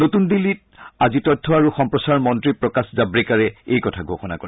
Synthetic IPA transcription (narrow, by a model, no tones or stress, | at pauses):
notundilːit̚azitɔtʰːɔaɹuxɔmpɹɔsaɹmɔntɹipɹɔkaszabɹikaɹɛejkɔtʰaɡʱoxɔna̰koɹɛ